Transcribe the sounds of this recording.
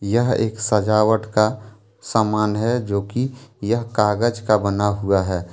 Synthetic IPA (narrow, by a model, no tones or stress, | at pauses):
jəɦḛːksəd͡ʒaːwəʈka | saːmaːnɦɛd͡ʒoːkijəɦkaːɡəd͡ʒkabənaɦuaɦɛː